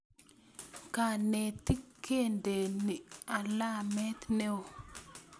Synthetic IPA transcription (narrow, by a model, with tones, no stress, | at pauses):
ka˨ne˨t̪i˦kʰːe˦˨nde˨ni˨a˨la˦mɛ˦t̪ne˦o˨